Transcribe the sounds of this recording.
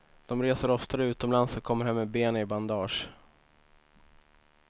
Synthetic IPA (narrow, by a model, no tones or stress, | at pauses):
d̪̥ɔmɾeːsəɾɔft̪aɾəʉ̟ːt̪ɔmlansɔkʰɔmːəɾhanmːɛbeːnɪband̪ɑːʂ